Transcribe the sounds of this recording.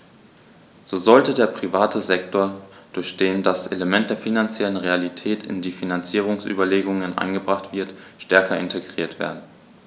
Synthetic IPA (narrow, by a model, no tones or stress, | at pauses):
z̥oːzɔltədeːɐpʁ̥ivaːtʰəzɛk̚tʰoːɐd̥ʊɐçd̥eːndasʔeləmɛnt̚d̥eːɐfinant͡sjɛlənʁealitʰɛːtʰɪ̰ndiːfinant͡siːʁ̞ʊŋsʔy̰ːbɐleːɡʊŋənʔa̰ɪnɡəbʁaχtv̥ɪɐtʃtɛɐkɐɪntʰeɡʁiːɐtv̥ḛːɐdn̩